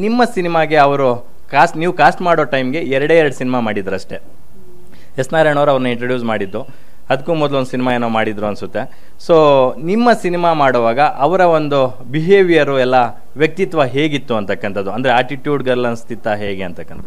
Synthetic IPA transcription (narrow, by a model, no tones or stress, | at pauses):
nimːɐsinimaːɡe̞ɐʋɐɾu | kaːsʈniːʋukaːsʈmaːɽoːʈɐjmɡe̞ɛɾɐɽeɛɾɐɽusinimamaːɽid̪ːɾuɐʂʈe̞ | esnaːɾeɳoːɾɐʋɐɾnːɐiɳʈɾoːɖjuːsmaːɽid̪ːu | ɐd̪ɐkːuːmɔd̪ɐluond̪usinimaːeːnoːmaːɽid̪ɾuɐnsut̪ːe̞ | soːnimːɐsinimaːmaːɽoʋaːɡɐʔɐʋɐɾɐond̪u | biɦe̞ːʋijɐɾuɛlːɐ | ʋjɐk̚t̪it̪ʋɐɦeːɡit̪ːuɐnt̪ɐkːɐnt̪ɐd̪ːuɐnd̪ɐɾeaːʈiʈjuːɖɡɐlːɐnst̪ʰit̪ɐɦeːɡeɐnt̪ɐkːɐnt̪ɐ